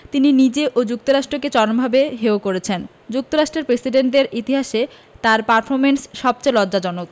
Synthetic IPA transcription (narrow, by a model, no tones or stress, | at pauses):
t̪ininid͡ʑeʔod͡ʑuk̚t̪oɾaʃʈɾoket͡ɕɔɾombʱabeɦeokoɾet͡ɕʰen | d͡ʑuk̚t̪oɾaʃʈɾeɾpɾesiɖeɳʈeɾit̪iɦaʃe | t̪aɾpaɾfʰoɾmensʃɔb̚t͡ɕejlɔdd͡ʑad͡ʑɔnok